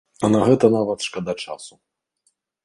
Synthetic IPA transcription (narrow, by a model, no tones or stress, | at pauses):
ɐnɐɣɛt̪ɐnavɐt̪ʂkɐd̪at͡ʂa̰su